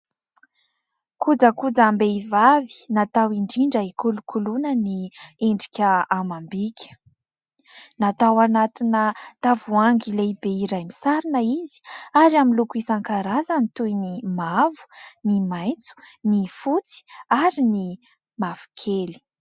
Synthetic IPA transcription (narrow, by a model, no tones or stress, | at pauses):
kud͡zəkud͡zambeivavi̥nat̪awiɳɖ͡ʐiɳɖ͡ʐəikulukʰulunənieɳɖ͡ʐikʲəamambikʲʰə̥ | nat̪awanat̪inət̪avuaŋɡileibeiɾajmisaɾinəizi̥aɾaminlukuisaŋkaɾazənit̪ujnimavu̥nimajnt͡su̥nifut͡si̥aɾini | mav̥u̥kʰeli̥